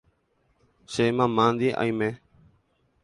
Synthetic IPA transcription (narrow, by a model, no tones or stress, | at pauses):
seːmãːmãːnd̪iːʔa̰ĩːmẽː